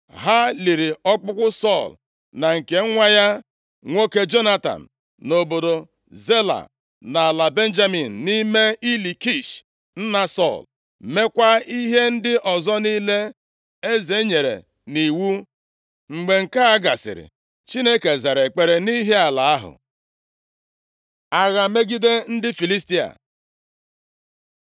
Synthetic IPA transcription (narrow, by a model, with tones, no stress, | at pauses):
ɦa˦li˨ɾi˨ɔ˦k͡pʊ˦kʷʊ˦sɔ˦˨l | na˨ŋ̩˨ke˨˦ŋʷa˦ja˦ | ŋʷo˦ke˦d͡ʒo˦na˦ta̰˨n̩˨ | no˨bo˨do˨ | ze˦la̰˨ | na˨la˨be˦n̩˦d͡ʒa˦mi˨n̩˨ni˦me˦i˦li˨ki˦˨ʃ | n̩˦na˦sɔ˦˨l | me˦kʷa˦i˦ɦe˦n̩˦dɪ˦ʔɔ˨zɔ˦ni˦le˦ | e˦ze˨˦ɲe˨ɾḛ˨ | ni˨wu˦ | ŋ͡m̩˨ɡ͡be˨ŋ̩˨ka˦a˦ɡa˨sɪ̰˨ɾɪ̰˨ | t͡ʃi˦ne˦ke˨za˨ɾe˨k͡pe˨ɾe˨ni˦ɦe˦a˨la˨a˦ɦʊ̰˨ | a˨ɣa˨me˦ɡi˦de˦n̩˦dɪ˦fi˨li˦sti˦a̰˨